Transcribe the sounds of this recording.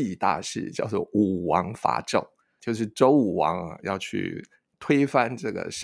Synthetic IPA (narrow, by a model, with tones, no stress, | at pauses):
i˥˧t̪a̰˥˧ʂɻ̩̰˥˩t͡ɕjɑ˥˧ʊt͡swɔ˥˩u˨˩wɑ˧˥ŋfa̰˧˥ʈ͡ʂo̰˥˩ʊ | t͡ɕjo˥˧ʊʂ̬ɻ̩˥˩ʈ͡ʂo˥ʊu˨˩wɑ̰˧˥ŋɐ̰˨jɑ̰˥˧ʊt͡ɕʰy̰˥˩ | t̪ʰwe˥ɪfa˥nʈ͡ʂɤ˥˩ɡə̰˩ʂ